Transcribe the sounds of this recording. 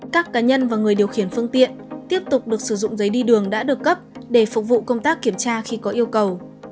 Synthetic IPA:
kaː˦˥kːaː˨˦ɲə˧nvaː˨˩ŋɨ˨˩əjɗəwxi˧˩ənfɨ˧əŋt̪ḭ˧˨ənt̪i˦˥əp̚t̪ʊ˨˩k͡p̚ɗɨ˨˩ək̚sɨ˧˩zʊ̰˧˨ŋ͡mzə˨˦jɗi˧ɗɨ˨˩əŋɗa̰ː˧˥ɗɨ˨˩əkːə˦˥p̚ɗe˧˩fʊ˨˩k͡p̚vṵ˧˨kə˧wŋ͡mt̪aː˦˥k̚ːi˧˩əmt͡ɕaː˧xi˧kɔ˨˦ʔi˧əwkə˨˩w

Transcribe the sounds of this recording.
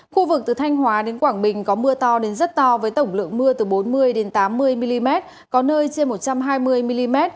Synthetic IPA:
xu˧vɨ˨˩k̚t̪ɨ˨˩t̪ʰa˧jŋ̟ɦwaː˨˦ɗe˨˦nkwaː˧˩ŋɓï˨˩ŋ̟kɔ˨˦mɨ˧ət̪ɔ˧ɗe˨˦nzə˦˥t̚t̪ɔ˧vəː˨˦jt̪ə˧˩wŋ͡mlɨ̰˧˨əŋmɨ˧ət̪ɨ˨˩ɓo˨˦nmɨ˧əjɗe˨˦nt̪aː˨˦mːɨ˧əjmi˧li˧mɛ˦˥t̚ | kɔ˨˦nəː˧jt͡ɕe˧nmo˨˩t̚t͡ɕa˧mɦaː˧jmɨ˧əjmi˧li˧mɛ˦˥t̚

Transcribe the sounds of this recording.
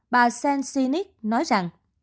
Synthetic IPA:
ɓaː˨˩sɛ˧nsi˧ni˦˥k̚nɔ˨˦jza˨˩ŋ

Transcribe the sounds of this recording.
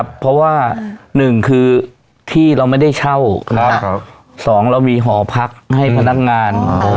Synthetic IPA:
pʰːɔ˦˥waː˥˩nɯ˨˩ŋkʰɯː˧ | t̪ʰiː˥˩ɾa˧wma˥˩jda˥˩jt͡ɕʰa˥˩wna˧a˥ | sɔː˩˦ŋɾa˧wmiː˧ɦɔː˩˦pʰa˦˥k̚ha˥˩jpʰa˧na˦˥˩k̚ŋaː˧n

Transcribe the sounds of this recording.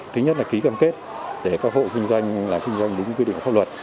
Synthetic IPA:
t̪ʰɨ˨˦ɲə˦˥t̚laː˨˩ki˨˦kaː˧mke˦˥t̚ | ɗe˧˩kaː˦˥k̚ɦo̰˧˨kï˧ŋ̟zwa˧jŋ̟laː˨˩mkï˧ŋ̟zwa˧jŋ̟ɗi˨˦ŋkwɗḭ˧˨˩faː˦˥lwə˨˩t̚

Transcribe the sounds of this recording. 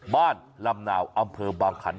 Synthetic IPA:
baː˥˩nla˧mna̰ː˩˦wʔa˧mpʰɤː˧baː˧ŋkʰa˩˦n

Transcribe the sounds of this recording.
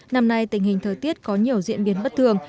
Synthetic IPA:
na˧mna˧jt̪ï˨˩ŋ̟hï˨˩ŋ̟t̪ʰəː˨˩jt̪i˦˥ət̚kɔ˨˦ɲi˨˩əwzḭ˧˨ənɓi˨˦ənɓə˦˥t̚t̪ʰɨ˧˩əŋ

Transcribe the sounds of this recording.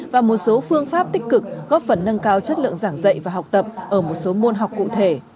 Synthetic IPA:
vaː˨˩mo˨˩t̚so˨˦fɨ˧əŋfaː˦˥p̚t̪ï˦˥k̟̚kɨ˨˩k̚ɣɔ˦˥p̚fə˧˩nːə˧nkaː˧wt͡ɕə˦˥t̚lɨ̰˧˨əŋzaː˧˩ŋzə̰˧˨jvaː˨˩ɦa˨˩wk͡p̚t̪ə˨˩p̚ʔəː˧˩mo˨˩t̚so˨˦mo˧nɦa˨˩wk͡pkṵ˧˨t̪ʰe˧˩

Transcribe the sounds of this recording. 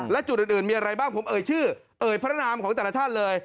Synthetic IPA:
lɛ˦˥t͡ɕu˨˩ʔːnʔɯː˨˩nmiː˧ʔa˧ɾa˧jbaː˥˩ŋpʰo˩˦mʔɤː˨˩jt͡ɕʰɯː˥˩ | ʔɤː˨˩jpʰɾa˦˥naː˧mkʰɔː˩˦ŋt̪ɛː˨˩la˧t͡ɕ̪ʰaː˥˩nlɤː˧j

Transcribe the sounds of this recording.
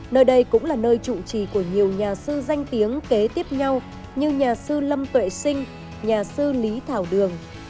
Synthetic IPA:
nəː˧jɗə˧jkʊ̰˧˥ŋ͡mlaː˨˩nəː˧jt͡ɕṵ˧˨t͡ɕi˧˩ku˧˩əɲi˨˩əwɲaː˨˩sɨ˧za˧jŋ̟t̪i˨˦əŋke˨˦t̪i˦˥əp̚ɲa˧w | ɲɨ˧ɲaː˨˩sɨ˧lə˧mt̪wḛ˧˨sï˧ŋ̟ | ɲaː˨˩sɨ˧li˨˦t̪ʰaː˧˩wɗɨ˨˩əŋ

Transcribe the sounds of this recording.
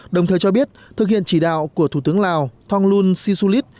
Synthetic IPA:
ɗə˨˩wŋ͡mt̪ʰəː˨˩jt͡ɕɔ˧ɓi˦˥ət̚t̪ɨ˨˩k̚hḭ˧˨ənt͡ɕi˧˩ɗa̰ː˧˨wku˧˩ət̪ʰu˧˩t̪ɨ˨˦əŋlaː˨˩wt̪ʰɔ˧ŋlu˧nsi˧su˧li˦˥t̚

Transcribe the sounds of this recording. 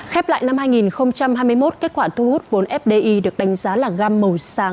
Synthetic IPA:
xɛ˦˥p̚la̰ː˧˨jna˧mhaː˧jŋi˨˩nxə˧wŋ͡mt͡ɕa˧mɦaː˧jmɨ˧əjmo˦˥t̚ke˦˥t̚kwaː˧˩t̪ʰu˧hu˦˥t̚vo˨˦nʔɛ˦˥p̚ɗe˧ʔi˧ɗɨ˨˩ək̚ɗa˨˦ŋ̟zaː˨˦laː˨˩ɣaː˧mːə˨˩wsaː˨˦ŋ

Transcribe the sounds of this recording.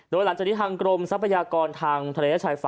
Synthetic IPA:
doː˧jla˩˦ŋt͡ɕa˨˩i˥t̪ʰaː˧ŋkɾo˧msa˦˥pʰa˧jaː˧kɔː˧nt̪ʰaː˧ŋt̪ʰa˧leː˧˩a˥t͡ɕʰaː˧jfa˧

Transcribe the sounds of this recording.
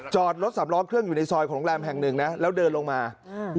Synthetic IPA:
t͡ɕɔː˨˩t̪̚ɾo˦˥t̪̚sa˩˦mɾɔː˦˧ŋkʰɾɯ˥˩əŋjuː˨˩na˧jsɔː˧jkʰɔː˩˦ŋlɛː˧mɦɛ˨˩ŋnɯ˨˩ŋna˦˥lɛː˦˥wdɤː˧nlo˧ŋmaː˧

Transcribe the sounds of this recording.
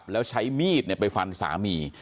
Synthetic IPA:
p̚lɛː˦˥wt͡ɕʰa˦˥jmiː˥˩t̪̚ni˥˩əpa˧jfa˧nsa̰ː˩˦miː˧

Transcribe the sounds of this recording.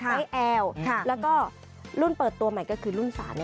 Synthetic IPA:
aa˧˦˥jʔɛː˧wʰlɛː˦˥wkɔː˥˩ | lu˥˩npɤː˨˩t̪ːu˧ɐma˨˩jkɔː˥˩kʰɯː˧lu˥˩nsa̰ː˩˦n˧

